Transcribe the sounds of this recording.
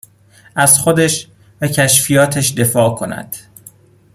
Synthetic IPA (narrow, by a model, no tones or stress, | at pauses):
ʔæz̥xod̪æʃ | væcʰæʃfijɒːt̪ʰæʃd̪e̞fɒːkʰo̞næ̰d̪̥